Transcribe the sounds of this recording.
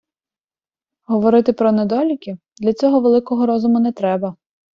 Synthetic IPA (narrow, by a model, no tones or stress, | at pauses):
ɦɔʋɔɾɪt̪ɪpɾɔned̪ɔlʲikʲɪ | d̪lʲɐt͡sʲɔɦɔʋelˠɪkɔɦɔɾɔzʊmʊnɛt̪ɾɛbɐ